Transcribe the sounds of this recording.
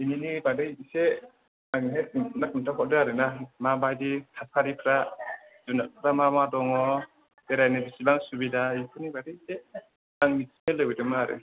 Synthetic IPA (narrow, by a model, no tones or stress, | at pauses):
ininibadɯjse | aŋɦenak̚untʰakʰɔt̚dɯaɾɯnamabajdikʰasʰaɾipʰɾa | zunak̚ʰɾamamadɔŋɔ | eɾajnebisilaŋsubidaikʰunibadɯjse | naŋmisimelɯwɯdɯmaːɾɯ̰